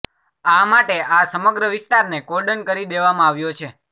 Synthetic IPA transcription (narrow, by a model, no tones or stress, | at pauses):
amaʈeasəməɡɾəʋɪst̪aɾnekoɾɖənkəɾid̪eʋamãaʋjot͡ʃʰe